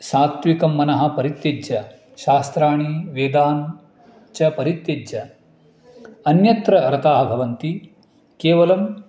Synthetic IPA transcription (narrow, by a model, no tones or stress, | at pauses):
saːt̪ʋikɐmːɐnɐɦɐ̆pɐɾit̪ːjed͡ʒɐ | ʃaːst̪ɾaːɳ̃iʋeːd̪aːn | t͡ʃɐpɐɾit̪jed͡ʒɐ | ɐnjɐt̪ɾɐɐɾɐt̪aːɦɐbʱɐʋɐnt̪i | keːʋɐlɐm